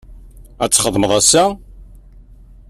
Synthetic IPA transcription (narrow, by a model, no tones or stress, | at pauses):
æt͡sːχəðˤməðˤæsːæ